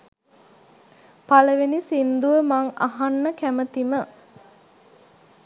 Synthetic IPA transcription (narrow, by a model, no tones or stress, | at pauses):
paləʋenisind̪uʋəmaŋa̰ɦanːəkæmət̪imə